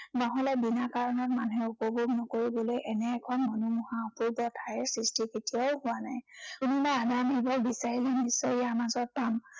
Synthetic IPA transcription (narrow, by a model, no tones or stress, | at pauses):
naɦɔlɛbinakaɹɔnɔk̚manuɦɛupobʱuɡnɔkoɹibɔlojʔɛnɛːkʰɔnmɔnumɔɦaupuɹbɔtʰajɛsɹistiketijaʊhʊwanajuninaadamɦibɔɹbisaɹilenisːɔjijaɹmazɔt̚pam